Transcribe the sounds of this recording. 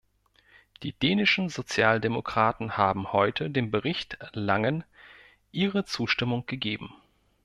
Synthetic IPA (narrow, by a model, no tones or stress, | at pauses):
d̥iːd̥eːnɪʃn̩zot͡sjaːldemokʁ̥aːtn̩haːbm̩hɔʏtʰədeːnbəʁɪçtlaŋən | ʔiːʁət͡suːʃtɪmʊŋɡ̥əɡeːbm̩